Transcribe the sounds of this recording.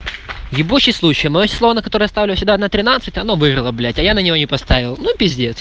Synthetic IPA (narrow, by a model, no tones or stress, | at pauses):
jɪbuɕɪslˠut͡ɕɪjmɐjosʲɪ̥slˠovənəkɐt̪o̞ɾɨjəɐst̪avlʲɪsʲʊd̪aɐd̪nat̪ɾʲɪnat̪sɨtʲɐnovɨrɾɨlˠəblʲætʲɐjanənʲɪvo̞nʲɪpɐst̪avʲɪlˠnupʲɪzʲdʲet̪s